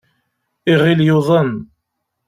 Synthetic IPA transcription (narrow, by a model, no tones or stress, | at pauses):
iʁiljʊðˤən